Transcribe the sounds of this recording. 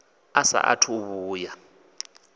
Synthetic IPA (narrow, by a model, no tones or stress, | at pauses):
asa̰ʔa̰tʰuβuːja